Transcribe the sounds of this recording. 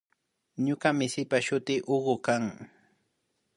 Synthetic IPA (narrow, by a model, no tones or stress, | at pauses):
ɲokamɪsɪpaʃʊt̪ɪːʔoɢʊkaŋ